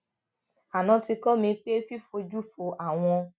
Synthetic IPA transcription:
a˨nɔ̃˧ti˧kɔ˦mĩ˧k͡pe˦fi˦fo˧d͡ʒu˦fo˧ʔa˨w̃ɔ̃˧

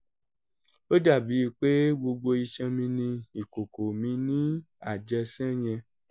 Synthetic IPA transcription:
o˦da˦˨bi˨˦i˧k͡pe˦ɡ͡bo˧ɡ͡bo˧i˧ʃɛ̃˧mĩ˧nĩ˧i˨ko˨ko˨mĩ˧˦nĩ˦ | a˦˨d͡ʒɛ˧sɛ̃˦j̃ɛ̃˧

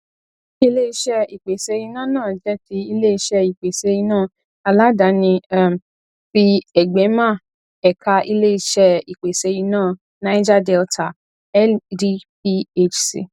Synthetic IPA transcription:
i˧le˦i˧˦ʃɛ˧i˨k͡pe˨se˨˧˦ji˧nã˦˨nãː˦˨d͡ʒɛ˦ti˧i˧le˦i˧ʃɛ˧i˨k͡pe˨se˧˦ji˧nãː˦˨ | a˧la˦da˨˦nĩ˧˦˨ | fi˧ɛ˨ɡ͡bɛ˨˦mã˦˨ | ɛ˨ka˧ʔi˧le˦i˧ʃɛ˧i˨k͡pe˨se˧˦ji˧nãː˦˨ | nã˨˦i˦d͡ʒa˦dɛ˧ltʰa˨ | ɛ˦di˦pi˧e˧t͡ʃsḭ˨

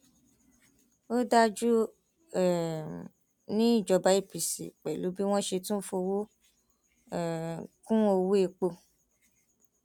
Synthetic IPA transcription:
o˦da˦d͡ʒu˦ | ɛ˨ | nĩ˦i˦˨d͡ʒɔ˧ba˨˦i˦˨pi˨sḭ˨k͡pɛ˨lu˨˦bi˦w̃ɔ̃˦ʃe˧tũ˦fo˧wo˦˨ | kũ˦o˧wu˦e˧k͡po˧

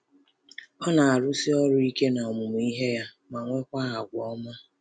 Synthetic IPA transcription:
ɔ˦na˨a˨ɾʊ˦si˦ɔ˦ɾʊ˦i˦ke˦na˨mu˨m˨i˦ɦe˦ja˦ | ma˨ŋʷe˦kʷa˦ɦa˨ɡʷɔ˦ma˦

